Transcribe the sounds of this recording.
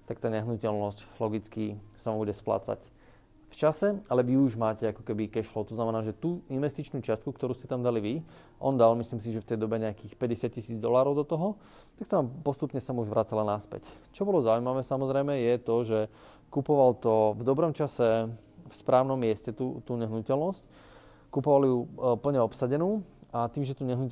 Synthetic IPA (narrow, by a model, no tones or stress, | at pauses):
t̪ak̚t̪aːɲɛɦnucɛlnɔsclɔɡit͡skisaʋambuɟɛspla̰ːt͡sa̰c | ft͡ʃasɛalɛʋiuuʒmaːcɛakɔ̥kɛbikɛʃlɔʊt̪ɔznamɛnaːʒɛt̪uːʔinʋɛst̪it͡ʃnuːt͡ʃɪast̪̚kukt̪ɔɾuːscɛt̪amd̪aliʋi | ʔɔnd̪almislims̬iʒɛft̪ɛjd̪ɔbɛɲɛakiːxpɛɟɛsac̚cisiːd͡zd̪ɔlaːɾɔʊd̪ɔt̪ɔɦɔ | t̪aksaampɔst̪upɲɛsamuuʒʋɾat͡salanaspɛ̰c | t͡ʃɔbɔlɔzaujmaʋɛːsamɔzɾɛjmɛjɛt̪ɔʒɛ | kupɔʋalt̪ɔvd̪ɔbɾɔmt͡ʃasɛ | fspɾaːʊnɔmːɪɛscɛt̪uːt̪uːɲɛɦnucɛlnɔsc | kupɔʋaljupl̩ɲɛɔpsaɟɛnuːat̪iːmʒɛt̪uːɲɛɦnu